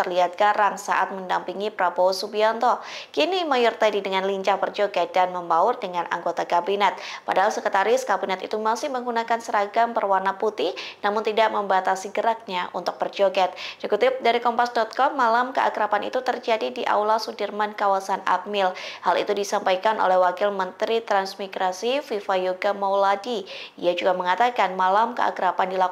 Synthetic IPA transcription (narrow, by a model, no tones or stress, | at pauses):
ərliat̪̚ɡaɾaŋsa̰ʔat̪̚məndampiŋipɾabosubiɔnt̪ɔkinimajɔrt̪adidəŋanliɲt͡ʃahbərd͡ʒoɡɛt̪̚danməmbaʊrdəŋanʔa̰ŋɡot̪akabinɛt̪̚padaɦalsəkət̪aɾɪskabinɛt̪it̪umasɪhməŋɡunakansəɾaɡampərwarnaput̪ɪhnamʊnt̪idaʔməmbat̪asiɡəɾak̚ɲaʔṵnt̪ʊk̚bərd͡ʒoɡɛt̪̚d͡ʒɛkut̪ɪp̚daɾikɔmpasdɔt̪̚kɔmːalamkəʔa̰kəɾapanḭt̪ut̪ərd͡ʒadidiʔa̰wlasudərmankawasana̰t̪̚mɪlhalḭt̪udisampajkanʔo̰lɛhwakɪlmənt̪ɾit̪ɾansmiɡɾasififajoɡamawladiijad͡ʒuɡaməŋat̪akanmalamkə̰ʔa̰kəɾapandila